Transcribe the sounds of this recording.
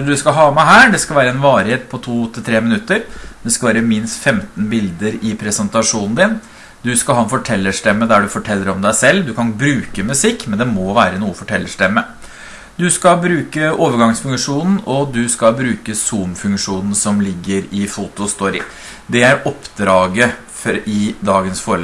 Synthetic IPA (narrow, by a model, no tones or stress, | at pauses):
ɖ̪ʉskɑɦɑːmæɦæːɖɛskɑlʋæːɾəɛnʋɑːɾɪheːt̪̚pʰɔt̪ʰuːt̪ʰɪlt̪ʰɾeːmɪnʉt̪ːəɾd̪ɛskɑʋæːɾəmɪnst̪fɛmt̪nbɪld̪əɾɪpʰɾɛsɛnt̪ɑʂuːnn̩d̪ɪn | d̪ʉskɑhɑːɛnfɔʈʰɛlːəʂʈɛmːəd̪æɖʉfɔʈʰɛlːəɾɔmd̪æɪsɛlːd̪ʉkʰɑnbɾʉːkəmʉsɪkːmɛnd̪ɛmɔʋæːɾənuːəfɔʈʰɛlːəʂʈɛmːə | d̪ʉskɑbɾʉːkəoːʋəɾɡɑŋsfʉŋkʂuːnn̩ɔd̪ʉskɑbɾʉːkəsuːmfʉŋkʂuːnn̩sɔmlɪɡːəɾɪfut̪ʊst̪ɔɾɪ̰ | d̪ɛæɾʔɔpd̪ɾɑːɡə | ɪd̪ɑːɡənsfoːɾəl